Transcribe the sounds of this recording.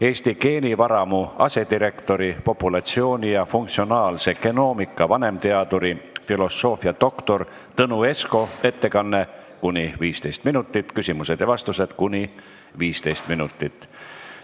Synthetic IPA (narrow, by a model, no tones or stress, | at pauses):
e̞ːst̪ike̞ːnʲivɑɾɑmuɑ̰se̞d̪iɾe̞kt̪o̞ɾipo̞pːˑulɑt̪sio̞ːnʲijɑfuŋk̚t̪sio̞nɑːlse̞ke̞no̞ːmikːˑɑvɑne̞mt̪e̞ɑd̪uɾifilo̞sːo̞ːfiɑd̪̥o̞kt̪o̞r | t̪ɤnue̞sko̞e̞t̪ːe̞kɑnːe̞ | kunʲiviːst̪e̞jst̪minut̪ːˑit̪ːkysimuse̞d̪̥evɑst̪use̞d̪kunʲi | viːst̪e̞jst̪minut̪ːˑit̪ːˑ